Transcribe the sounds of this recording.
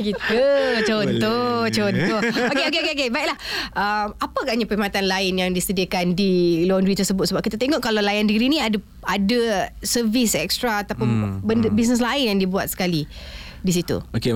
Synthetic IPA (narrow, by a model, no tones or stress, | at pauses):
kit̪ət͡ʃɔnntt̪ɔht͡ʃɔnt̪ɔhokeokeokeokebaiʔlahʔəmapaɡaʔɲapəimat̪anlaɪnjaŋdisədiəkandilɔndɾit̪ərsəbʊt̪səbap̚kit̪at̪eŋɔʔkalalajandəɾinĩada | adəsəvisɛkst̪ɾaːt̪apʊnbəndəbis̬nəs̬laɪnjaŋdibuat̪̚sə̥kali | dis̬it̪ṵoke